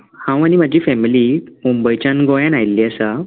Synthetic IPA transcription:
hãw̃añim̤ad͡ʑʱiːfɛmilimumbəjt͡ɕanɡɔjãnajliːəsa

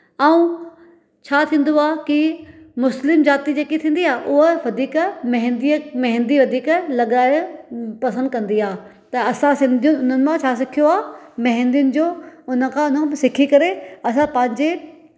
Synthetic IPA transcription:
ɐũ | t͡ɕʰaːt̪ʰĩːn̆d̪oaːkimʊslɪmzaːt̪id͡ʑeːkit̪ʰĩːnd̪iaːʔʊɦəʋɐd̪ʱiːkmɐɦɪ̃nd̪imɐɦɪ̃nd̪iʋɐd̪ʱiːklɐɠaːɪpɐsə̃nd̪̚kɐ̃nd̪iaː | t̪ɐɐsãsɪ̃nd̪jʊnʊn̤ənɪ̆mãt͡ɕʰaːs̬ɪkʰijoaːmɐɦɪ̃nd̪ijʊnɪ̆d͡ʑoːʊnə̆kʰãʊnəbsɪkʰikɐɾeɐs̬ãpɐ̃ɦɪ̃ɲd͡ʑe

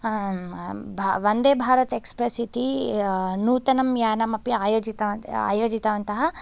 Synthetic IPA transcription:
bʱʋɐnd̪eːbʱaːɾɐt̪ekspɾɐsit̪i | nuːt̪ɐnɐmjaːnɐmɐpjɐaːjoːd͡ʒit̪ɐa̰ːjoːd͡ʒit̪ɐʋɐnt̪ɐɦɐ

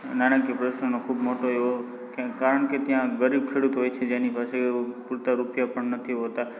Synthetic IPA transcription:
nanakipɾəʃnənokʰubmoʈoeʋo | kãkaɾəɳket̪jãɡəɾib̚kʰeɽut̪ɦojt͡ʃʰed͡ʒenipasepuɾt̪aɾupjapəɳnət̪ʰiɦot̪a

